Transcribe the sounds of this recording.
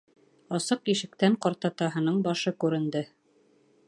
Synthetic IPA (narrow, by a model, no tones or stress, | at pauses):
ɑsɤqiʃɘ̆k̚t̪æɴqɑɾt̪ɑt̪ɑɦɤ̆nɤɴbɑʃɤkʉɾɘ̆nd̪ɘ